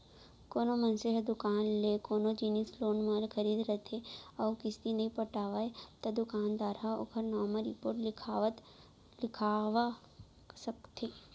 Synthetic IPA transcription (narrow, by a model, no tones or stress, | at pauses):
koːnomɐnseɦed̪ʊkaːnlekoːnod͡ʒiːnisloːnmaːlkʰɐɾiːd̪ɾɐt̪ʰeɔːkɪst̪inɐɦĩpɐʈaːʋaet̪ɐd̪ʊkaːnd̪aːɾaʊ̰kəɾnaːmaɾipoːɾʈlɪkʰt̪ | lɪkʰaːʋa | sɐkt̪ʰeː